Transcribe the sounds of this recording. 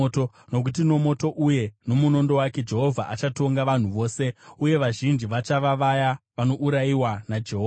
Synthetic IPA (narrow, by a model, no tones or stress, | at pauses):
to | no̞k̬ut̬ino̞mo̞to̞ʔuje̞no̞muno̞ndo̞wake̞d͡ʒe̞ɦo̞vʱaʔat͡ʃato̞ŋɡaʋan̤uʋo̞ːse̞uje̞ʋaʒind͡ʒiʋat͡ʃaʋaʋajaʋano̞ʔuɾaiwanad͡ʒeɦoːva